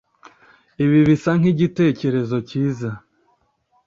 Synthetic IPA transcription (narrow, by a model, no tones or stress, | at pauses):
iβiβisaŋ̥iɟite̞ːce̞ɾe̞zo̞ciːza